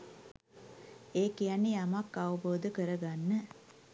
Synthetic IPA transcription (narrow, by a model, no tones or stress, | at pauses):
eːkijanːijamakːaʋəboːd̪əkəɾəɡanːə